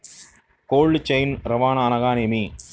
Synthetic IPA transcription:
koːɭɖt͡ʃɐjnɾɐʋaːnɐːnɐɣaːnemi

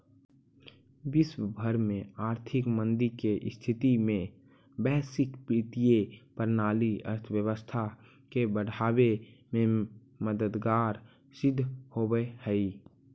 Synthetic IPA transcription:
ʋɪswəbʱəɾmẽaːɾt̪ʰɪkmə̃nd̪iɾkeʔst̪ʰɪt̪imẽ | bɛːsɪkpɾɪt̪ijepəɾnaːliə̰ɾt̪ʰʋjəwəst̪ʰa | kebəɽ̤aːbemẽ | məd̪əd̪ɡaːɾ | sɪd̪ʱːhobəhəi

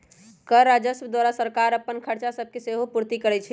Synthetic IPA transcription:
kəɾad͡ʒəsəd̪waɾasəɾkaɾəpːənkʰəɾt͡ʃasəb̚ʱkeseɦopuɾt̪ikəɾɛt͡ʃʰɛ

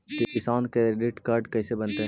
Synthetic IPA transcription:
k̪eɪsaːnkeɖɪʈkaːɾɖkɛːsebɐnt̪eɦ

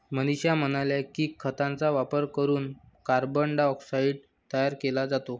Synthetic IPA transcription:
məniɕjamənaljakiːkʰːət̪ãnt͡saʋapəɾkəɾuːn | kaɾbəɳɖaɔksaiɖ̚ | t̪əjaɾkelad͡zat̪o

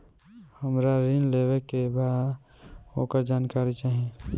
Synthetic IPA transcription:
həmɾaɾinlebekːeba | okəɾd͡ʒankaɾit͡ʃaɦi

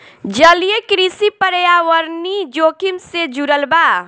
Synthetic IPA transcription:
d͡ʒəlijekɾisipəɾjawəɾnid͡ʒoːkʰimsed͡ʒuɾəlba

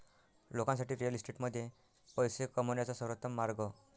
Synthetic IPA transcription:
lokãnsaʈiːɾijəlisʈeʈməd̪ʱːje | pəjsekəmunjat͡sɔsəɾət̪ːəmːaɾɡɔ

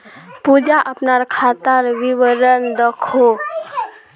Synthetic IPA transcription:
pud͡ʒaʔəpnaɾkʰat̪əɾʋiʋəɾənd̪əkʰo

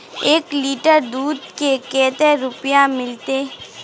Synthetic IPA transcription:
eːkliːʈəɾd̪uːd̪kekeːt̪eɾʊpjamɪlt̪e

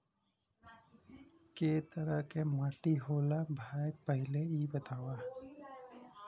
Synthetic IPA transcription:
keːt̪əɾəkemaːʈiɦoːlabʱaːjək̚pəɦɪleiːbət̪aːwa

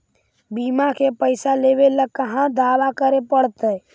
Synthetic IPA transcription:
biːmakʰepəɪsaleːbeləkəɦãd̪aːʋakəɾepəɽt̪ə

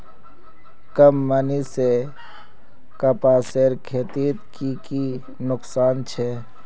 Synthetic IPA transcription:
kəmːənise | kɐpaːseːɾkʰeːt̪iːt̪kiki | nʊksaːnt͡ʃʰɛ

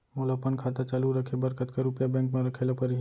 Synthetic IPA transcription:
molapənkʰaːt̪at͡ʃaːluɾəkʰebəɾkət̪kaɾʊpjabɛ̃ːŋkmẽɾəkʰelapəɾi

